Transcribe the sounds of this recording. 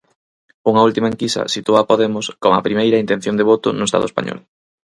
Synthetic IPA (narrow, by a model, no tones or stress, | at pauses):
uŋɐult̪imaeŋkisɐ̰sit̪uaːpoðemoskoŋɐ̰pɾimejɾɐint̪en̟θjoŋnd̪eβot̪ʊ̰nʊest̪a̰ðʊespa̰ɲɔ̰l